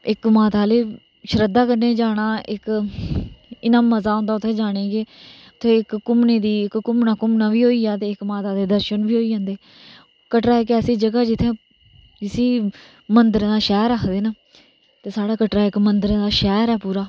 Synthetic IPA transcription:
ɪkmaːt̪aːleː | ʃəɾəd̪aːkəɾneːd͡ʒaːɽ̃aːʔɪk | ɪnãːməzaːɦõːnd̪aːʊt̪ʰːeːd͡ʒaːɽ̃eːɡeː | t̪ʰeːɪkːʊmneːd̪iːɪkːʊmnaːkʊmnaːbiːɦoːiːaːt̪eːɪkmaːt̪aːd̪eːd̪əɾʃənbiːɦoːiːãːnd̪eː | kəʈɾaːɛːkɛːsiːd͡ʒəɡaːd͡ʒɪt̪ʰːẽː | d͡ʒɪsiː | mənd̪əɾd̪aːʃɛːɾaːkʰd̪eːna | t̪eːsaːɽaːkəʈɾaːɪkmənd̪əɾd̪aːʃɛːɾɛːpuːɾaː

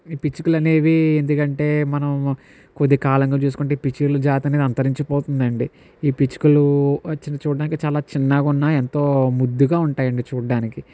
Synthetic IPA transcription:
iːpit͡ʃːukulɐne̞ːʋiend̪ukɐɳʈe̞ːmɐnɐm | kod̪ikaːlɐŋɡaːt͡ʃuːs̬u̥kuɳʈ̬e̞ipit͡ʃulud͡ʒaːt̪ɐned̪iɐnt̪ɐɾiɲt͡ʃɐpoːt̪und̪ɐɳɖi | iːpit͡ʃːi̥kuluɐt͡ʃːinɐt͡ʃuːɽɖaːnikit͡ʃaːlaːt͡ʃinːaːɡunːae̞nt̪o̞ːmud̪ːuɡaːuɳʈaːjɐɳɖit͡ʃuːɖaːniki

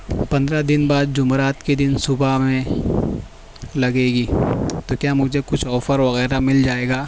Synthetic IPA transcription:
pɐ̃nd̪ɾad̪ɪnbaːd̪̚d͡ʒʊmɾaːt̪ked̪ɪnsʊbamẽ | lɐɡeːɡiːt̪okjaːmʊd͡ʒʱekʊt͡ʃʰɔːfəɾʋɐɣɛːɾamɪld͡ʒaːeːɡaː

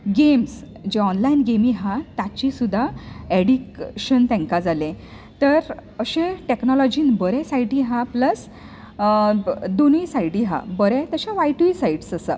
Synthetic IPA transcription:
ɡems | d͡ʑeɔnlainɡemiɦãt̪at͡ɕisud̪ʱːaeɽikɕənt̪ɛ̃ŋkad͡zalẽ | t̪əɾəɕẽʈeknɔlɔd͡ʑiːnbəɾɛ̃sajʈiɦãpləs | d̪onisaiʈiɦã̰bəɾɛ̃t̪əɕaʋajʈuisaiʈsəsa̰

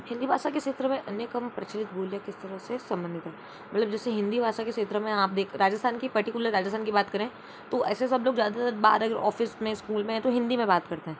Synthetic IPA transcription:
hɪ̃nd̪ibʱaːʃakeʃeːt̪ɾəmẽʔɐnjəkɐmpɾɐt͡ʃəlɪt̪̚bʱoːljakɪst̪ɐɾəɦsesɐ̃mbə̃nd̪ʱɪt̪ɦɛː | mɐt̪ləbd͡ʒɛːseɦɪ̃nd̪ibʱaːʃakeʃeːt̪ɾəmẽaːp̚d̪eːkʰɾaːd͡ʒəst̪ʰaːnkipɐɾʈɪkjʊləɾːaːd͡ʒəst̪ʰaːnkibaːt̪kɐɾẽ | t̪oʔɛ̰ːsesɐbloːɡzjaːd̪at̪əɾba̰ːɾɐɡəɾʔɔ̰ːfɪsmẽskuːlmẽɦɛ̃t̪oɦɪ̃nd̪imẽbaːt̪kɐɾt̪eɦɛ̃ː

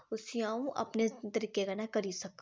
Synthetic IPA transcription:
ʊsijãːũʔɐ̰pnet̪ɐɾiːkekanɐkɐɾisɐk

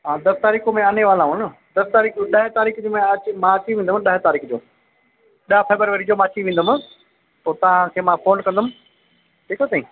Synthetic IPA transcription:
ɦãːd̪ɐst̪aːɾiːkomẽaneʋaːlãːɦʊnə̆ | d̪ɐst̪aːɾiːkɗɐɦɪt̪aːɾiːkʰd͡ʑoːmẽɐt͡ɕmãɐt͡ɕiʋẽːn̆d̪ʊmɪɗɐɦɪt̪aːɾiːkʰd͡ʑoː | ɗafɛːbɾəɾʋəːɾid͡ʑoːmãɐt͡ɕiʋẽːnd̪əmɪ̆ | t̪oːt̪ɐʋ̤ãkʰeːmãːfoːnkɐ̃nd̪əmɪ̆ | ʈʰiːkat̪aːĩː

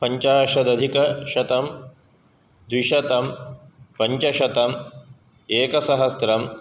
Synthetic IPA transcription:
pɐɲt͡ʃaːʃɐd̪ɐd̪ʱikɐʃɐt̪ɐm | d̪wiʃɐt̪ɐmpɐɲt͡ʃɐʃɐt̪ɐm | eːkɐsɐɦɐsɾɐm

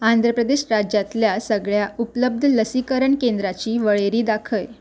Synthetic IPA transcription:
and̪ʱɾəpɾəd̪eɕɾad͡ʑjat̪ljasəɡɭjaʔupləb̚d̪ʱələsikəɾəɳkend̪ɾat͡ɕiːʋəɭeɾiːd̪akʰəj

